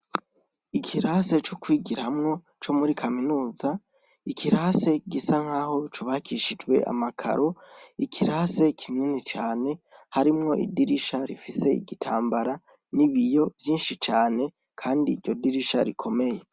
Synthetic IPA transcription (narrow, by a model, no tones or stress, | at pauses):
ikʰiɾaːse̞t͡ʃokwiːɡiɾahamŋo̞ | t͡ʃo̞muɾikʰaminuːza | ikʰiɾaːse̞ɡisaŋ̥haːho̞t͡ʃuβakʰiʃid͡ʒɡwe̞̰ʔa̰makʰa̰ɾo̞ikʰiɾaːse̞kʰininit͡ʃaːne̞haɾimŋo̞ʔḭdiɾiʃaɾḭfise̞ḭɡitʰaːmbaɾa | niβijo̞vjiːnʃit͡ʃaːne̞ | kʰaːndiːɾɟo̞diɾiʃa̰ɾikʰo̞me̞je̞